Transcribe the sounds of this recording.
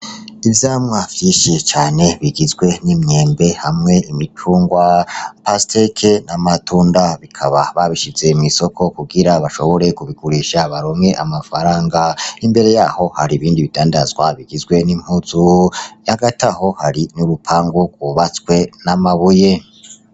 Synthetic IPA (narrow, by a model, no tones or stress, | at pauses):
ivjaːmŋavjiːʃit͡ʃaːne̞βiɡizɡwe̞nimɲe̞ːmbe̞hamŋe̞imit͡ʃuːŋɡwapastekʰenamatuːndaβikʰaβaβaβiʃize̞mŋiso̞kʰo̞kuɡiɾaβaʃo̞̰βo̞ɾe̞kuβiɡuɾiʃaβaɾomŋe̞ʔamafaɾaːŋɡaimbe̞ɾe̞jaːho̞haɾiːβiːndiβidaːndazɡwaβiɡizɡwe̞nim̥huzujaɡataho̞haɾinuɾupʰaːŋɡuɡ̥wuβat͡swe̞namaβuje̞